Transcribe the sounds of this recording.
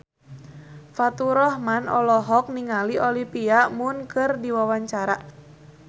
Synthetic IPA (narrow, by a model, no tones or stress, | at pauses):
fat̪uɾɔhmanɔ̰lɔɦɔk̚niŋaliʔɔlipiamʊnkɨrdiwawaɲt͡ʃaɾa